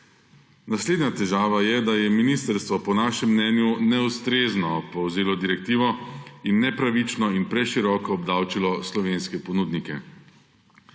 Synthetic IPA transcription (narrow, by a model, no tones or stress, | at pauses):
nasleːd̪nʲjat̪ɛʒaːʋajɛd̪ajɛminist̪əɾst̪ʋɔpɔnaːʃɛmːnɛːnjunɛust̪ɾeːznɔpɔwzeːlɔd̪iɾɛk̚t̪iːʋɔinːɛpɾaʋit͡ʃnɔinpɾɛʃiɾɔːkɔːbd̪awt͡ʃilɔslɔʋeːnskɛpɔnud̪nikɛ̰